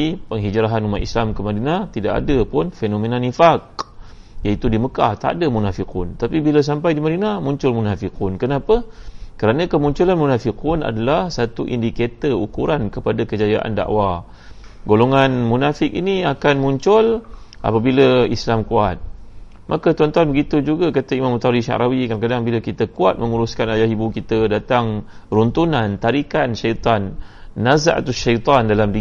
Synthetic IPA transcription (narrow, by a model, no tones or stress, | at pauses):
ipəŋɦid͡ʒɾaɦanumat̪islamkəmadinat̪ida̰ʔa̰dəpʊnfenomenanifak̚ | jait̪udiməkaht̪a̰dəmunafikʊnt̪apibiləs̬ampajdimaɾinamuɲt͡ʃʊlmunafikunkənapəkəɾanãkəmuɲt͡ʃulanmunafikuna̰dalahsat̪uʔḭndiket̪əukuɾankəpadakəd͡ʒajaʔa̰nda̰ʔwa | ɡoloŋanmunafɪk̚ḭniakanmuɲt͡ʃʊlʔa̰pabiləislamkuat̪̚ | mʔakat̪uant̪uanbəɡit̪ud͡ʒuɡakat̪aimãmut̪aɾiʃa̰ʔɾawikarkadaŋbilakit̪akuat̪̚mə̃ŋuɾuskanajahibukit̪ədat̪aŋrunt̪unant̪aɾikanʃajt̪anːaza̰ʔt̪uʃajt̪ˤandalamdi